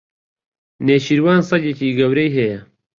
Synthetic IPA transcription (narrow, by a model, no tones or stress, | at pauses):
neːʃiɾwaːnsɐɡeciːɡɐwɾɐjɦɐjɐ